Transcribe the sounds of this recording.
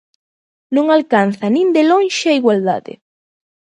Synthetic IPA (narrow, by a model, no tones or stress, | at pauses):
nõŋalkanθɐnĩnd̪elõnʃeaiɣwald̪a̰ðɪ̰